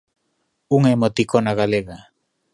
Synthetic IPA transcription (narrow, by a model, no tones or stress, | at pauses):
uŋemot̪ikonaɣaleɣa